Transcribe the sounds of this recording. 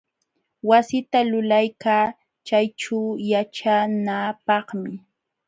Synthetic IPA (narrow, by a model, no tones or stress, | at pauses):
wasɪt̪alʊlajkaː | t͡ʃajʈ͡ʂajat͡ʃanapɑχmɪ